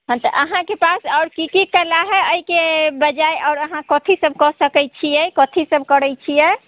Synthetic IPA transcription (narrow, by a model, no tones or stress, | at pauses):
ɦãt̪ɔʔəɦãkepasɔʊɾkikikəlaɦɛəikebəd͡ʒajʔaʊɾəɦãkɔt̪ʰisəb̚kɔsəkɛjt͡ʃʰijɛkɔt̪ʰisəb̚ʱkəɾɛjt͡ʃʰijɛ